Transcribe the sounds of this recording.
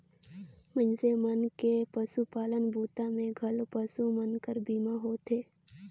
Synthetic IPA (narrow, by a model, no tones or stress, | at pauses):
mə̃ɲsemənkepəsupaːlənbʱuːt̪ãmẽɡʱəlpəsumənkəɾbiːmaɦoːt̪ʰeː